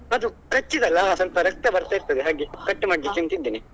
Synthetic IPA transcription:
ɐd̪u | kɐt͡ʃːid̪ɐlːɐsɐlpɐɾɐk̚t̪ɐbɐɾt̪aiɾt̪ɐd̪eɦaːɡikɐʈːmaːɽid̪it͡ʃint̪id̪ːiːni

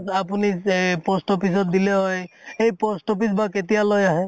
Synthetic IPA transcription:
apunipɔsʈopis̬ɔt̪̚d̪ileɦɔjejpɔsʈopisbaket̪ijalojaɦɛ

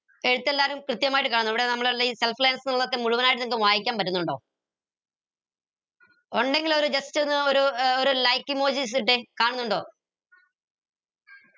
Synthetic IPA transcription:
e̞ɻut̪ːe̞lːaːɾumkrɨt̪jɐmaːjiʈːɨkaːɳnːuiʋiɽe̞nɐmːɐɭeliːselflejːnsɨnilːɐt̪ːemuɻuʋɐnaːjiʈ̬ːɨniŋkɡeʋaːjikʲːaːmpɐtːunːuɳɖo̞ː | oɳɖe̞ŋɡilo̞ɾud͡ʑɐst͡ɕːonːɨoɾuoɾulɐjkːimoːd͡ʑiːs̬iʈ̬ːɨkaːɳunːuɳɖo̞ː

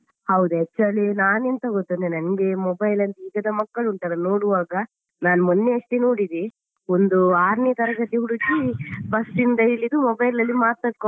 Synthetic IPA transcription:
hɐwd̪uɛt͡ʃːɐɭenaːnent̪ɐɡot̪ːɐnenɐnɡe̞mɔbɐjlɐnt̪iːɡɐd̪ɐmɐkːɐɭunt̪ɐɾɐnoːɽuʋaːɡɐ | naːnumonːeɐʂʈinoːɽid̪e | ond̪uaːɾnit̪ɐɾɐɡɐt̪iɦuɽuɡibɐsind̪ɐilːid̪umɔbɐjlɐlːimaːt̪̚ːaːɖko

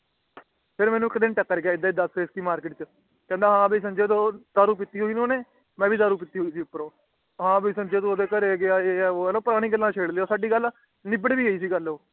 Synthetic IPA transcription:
pʰɪɾmɛːnũːɪkd̪ɪnʈəkːəɾɡɪaːɪd̪aːid̪əseːskiːmaːɾkɪʈt͡ʃ | kɛ̃ːnd̪aːɦãːbiːsənd͡ʒeːt̪oːd̪aːɾuːp̬ɪt̪ːiːɦoːiːnoːneː | mɛ̃ːʋiːd̪aːɾuːp̬ɪt̪ːiːɦoːiːsiːʊpːəɾõː | ɦãːbiːsə̃nd͡ʒeːt̪õːd̪eːkəɾeːɡɪaːeːɛːoːɛːləpʊɾaːɽ̃ĩːɡəlːãːt͡ʃʰeːɽleːoːsaːɖiːɡəl | nɪbəɽʋiːəiːsiːɡəloː

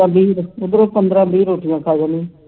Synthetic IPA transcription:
ãːbiːɾʊd̪ɾopənd̪ɾãːbiːɾoːʈijãːkʰaːd͡ʒãːnĩː

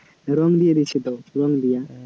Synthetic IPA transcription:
ɾɔŋɡd̪ijad̪it͡ʃʰit̪oɾɔŋd̪ija

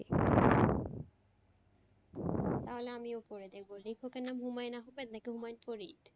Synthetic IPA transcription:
i | t̪aɦoleamiopoɾed̪ek̚ʰbolikʰokenːamɦumajnaɦobet̪nakeɦumajnpoɾit̪

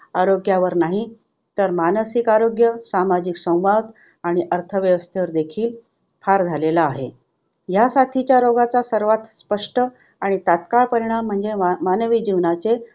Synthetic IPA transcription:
aɾoɡjaʋəɾnaɦi | t̪əɾmanəsikaɾoɡjəsamad͡ʑiksə̃w̃ʋad̪ | aɽ̃iʔəɾt̪ʰəʋjəʋəst̪ʰeʋəɾd̪ekʰiːl | pʰaɾd͡zʱalelaːɦe | jasat̪ʰit͡ɕjaɾoɡat͡sasəɾʋat̪spəʂʈə | aɽ̃it̪at̪kaɭpəɾiɽ̃am̤ːəɳd͡zemanʋid͡ʑiʋnat͡se

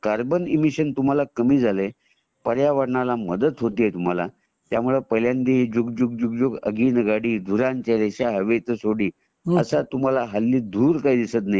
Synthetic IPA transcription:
kaɾbənimiɕənt̪um̤alakəmiːd͡zʱale | pəɾjaʋəɽɳalaməd̪ət̪ɦot̪iːet̪um̤ala̰ | t̪jamuɭepəljãnd̪iɦd͡ʑuɡd͡ʑuɡ̚d͡ʑuɡ̚d͡zukə̰ɡiːnɡaɽiːd̪ʱuɾãɲt͡ɕaɾeɕaɦəʋet̪əsoɽiː | əsat̪um̤alaɦalːiːd̪ʱuːɾkaɦid̪isət̪naji

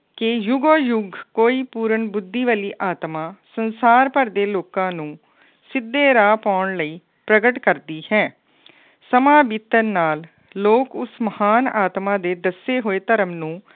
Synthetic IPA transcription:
kɪjʊɡoːjʊɡʱkoːiːpuːɾəɳbʊd̪ːiːʋəliːʔaːt̪mãːsənsaːɾpəɾd̪eːloːkãːnũː | sɪd̪ːeːɾaːpaːʊɳləiː | pɾəɡəʈkəɾd̪iːhɛ̃ː | səmãːbiːt̪ənːaːlː | oːkʊsməhaːnaːt̪mãːd̪eːd̪əseːɦoːeːt̪əɾəmnũː

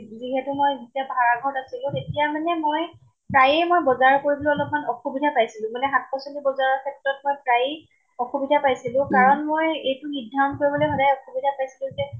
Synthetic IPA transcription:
ziɦɛtʊmojzitijabʱaɹaɡʱɔɹtasilʊ̃tetijamanɛmoj | pɹajɛjmojbɔzaɹkoɹibɔluɔlɔp̚manɔxubidʱapajsilʊ̃manɛɦat̚ʰpɔsɔlibɔzaɹɔɹkʰɛtɹɔt̚mojpɹajɛ | ɔxubidʱapajsilʊ̃kaɹɔnmojejtʊxidʱːankoɹibɔlɔjxɔdajɔxubidʱapajsilʊ̃zɛ

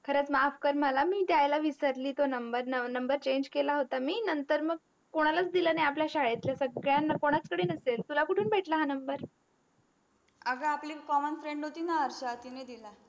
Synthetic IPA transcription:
kʰəɾət͡smafkəɾməlamiːt̪jajlaʋisəɾliːt̪onəmbəɾnənəmbəɾt͡ɕeɲd͡ʑkelaɦot̪amiːnənt̪əɾməɡ̚ | koɽ̃alat͡sd̪ilənajap̬ljaɕaɭet̪ljasəɡɭjanakoɽ̃at͡skəɽeːnəselt̪ulakuʈʰuːnbʱeʈʰlaɦanəmbəɾ | əɡaapliːkɔmənfɾeɳɖɦot̪iːnaəɾɕat̪ined̪ila

